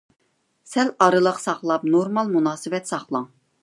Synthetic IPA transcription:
sɛlɑɾɨlˠəqsɑχlˠɑpnoɾmɑlˠmunɑːsɨwɛt̪sɑχlˠɑŋ

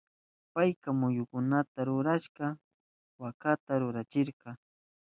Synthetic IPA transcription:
pajkamʊjʊkʊnat̪aɾʊɾaʃɢɑ | wakat̪aɾʊɾat͡ʃɪɾqɑ

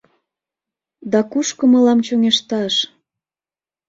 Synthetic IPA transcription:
d̪ɑkuʃkomɤ̆lɑmt͡ɕoŋeʃt̪ɑʃ

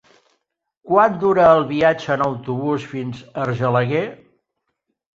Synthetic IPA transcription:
kwand̪uɾəːlˠβiad͡ʒəənəwt̪uβusfinzərʒələɣe

